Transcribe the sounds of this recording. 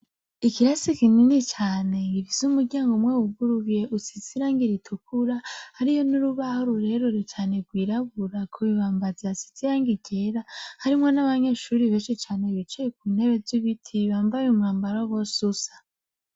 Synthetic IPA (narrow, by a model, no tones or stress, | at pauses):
ikiɾasikininit͡ʃaːne̞ŋɡivizumuɾɟaːŋɡumwewuɡuɾuje̞ʔusiziɾaːŋɡiɾitʰukʰuɾahaɾijonuɾuβahoɾuɾe̞ɾoɾit͡ʃaːne̞ɡwiːɾaβuɾakʰuβiβaːmbazeasi̥t͡sijaːŋɡiɟeɾahaɾimŋonaβaɲe̞ʃuɾiβeːnʃit͡ʃaːneβit͡ʃijekuːnhe̞βeziβitʰiβaːmvajumŋaːmbaɾowosusḁ